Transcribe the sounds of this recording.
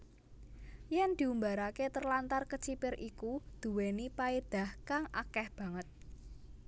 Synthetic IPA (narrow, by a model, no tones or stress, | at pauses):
jɛnd̪̥i̤umbaɾaket̪ərlant̪arkət͡ʃipɪrʔikud̪̥ṳwenipaed̪̥a̤hkaŋʔakɛhb̥ä̤ŋət̪̚